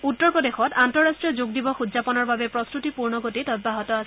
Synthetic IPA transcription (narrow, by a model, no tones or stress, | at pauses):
utːɔɹpɔdexɔtantɔɹastʈɹijɔzuɡ̚dibɔxudzapɔnɔɹbabɛpɹɔstutipuɹnɔɡotitɔt̚baɦɔtɔas